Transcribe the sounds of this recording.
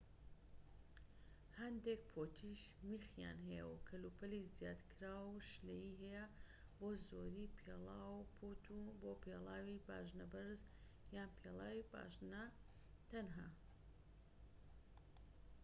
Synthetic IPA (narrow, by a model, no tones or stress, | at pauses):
hɐnd̪ek̚pʰoːt̪ʰiʃmixja̰ːnɦɛjɛ̰wkʰɐlupʰɐlizjaːd̪kʰɾaːwʃlejiɦɛjɐ | boːzoɾiːpʰḛlˠaːwpʰut̪ʰuboːpʰelˠaːwiba̰ːʒnɐbɐɾz | jaːnpʰelˠaːwiba̰ʒnɐ | t̪ɐnɦaː